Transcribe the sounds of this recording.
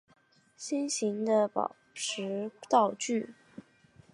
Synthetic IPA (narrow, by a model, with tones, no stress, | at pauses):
ɕi˥nɕi˧˥ŋd̪ə˧pɑ̰˨˩ʊʈ͡ʂʰɻ̩˧˥t̪ɑ˥˧ʊt͡ɕy˥˩